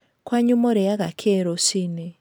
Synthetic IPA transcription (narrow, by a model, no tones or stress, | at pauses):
kwaɲumoɾɛjaɣakʰeɾosine